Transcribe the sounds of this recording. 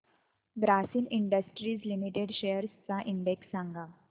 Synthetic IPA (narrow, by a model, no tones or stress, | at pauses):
ɡɾasiniɳɖəsʈɾiːslimiʈeɽɕejəɾst͡saʔiɳɖeksːãŋɡa